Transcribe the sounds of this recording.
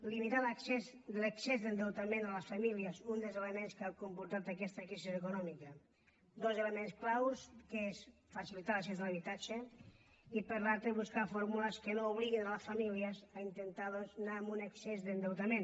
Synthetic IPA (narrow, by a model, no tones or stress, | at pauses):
limit̪aləksez | d̪ələksezðənd̪ewt̪amẽnaləsfamiliəzund̪əlˠzelemenskakumpuɾt̪at̪akɛst̪əkɾisizekunɔmikɐ | d̪ozelemensklawskəes | fasilit̪alɐksezðəlaβit̪at͡ʃe | ipəɾlalˠt̪ɾeβuskafoɾmuləskənouβ̞liɣinaləsfamiliəzaint̪ent̪aðoznaːmunaksezðend̪ewt̪amen